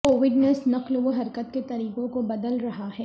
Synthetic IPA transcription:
koːʋɪɖnesnɐqlʋoɦɐɾkət̪ket̪ɐɾiːqõkobɐd̪əlɾɐɦaɦɛː

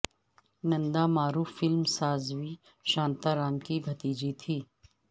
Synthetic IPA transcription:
nɐ̃nd̪amaːɾuːfːɪlmsaːzʋiː | ʃãːnt̪aɾaːnkibʱɐt̪iːd͡ʒit̪ʰiː

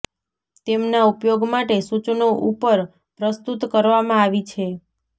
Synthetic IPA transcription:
t̪emnaupjoɡmaʈesut͡ʃnoʔupəɾ | pɾəst̪ut̪kəɾʋamãaʋit͡ʃʰe

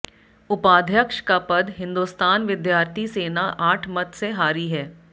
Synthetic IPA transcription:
ʊpaːd̪ʱjəkʃkapɐd̪ɦɪ̃nd̪ust̪aːnʋɪd̪jaːɾt̪ʰiseːnaʔaːʈʰmɐt̪seɦaːɾiɦɛː

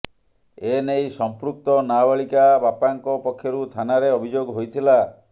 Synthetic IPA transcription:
enejsɔmpɾuk̚t̪ɔnabaɭikabapaŋkɔpɔkʰːjɔɾut̪ʰanaɾeɔbʱid͡ʒoɡɦojt̪ʰila

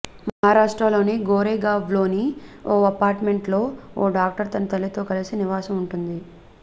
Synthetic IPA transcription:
mɐɦaːɾaːʂʈɾalo̞ːniɡoːɾeːɡaːʋlo̞ːnioːɐpaːɾʈme̞ɳʈlo̞ːoːɖaːk̚ʈɐɾt̪ɐnɐt̪ɐlːit̪o̞ːkɐlisiniʋaːsɐmuɳʈund̪i

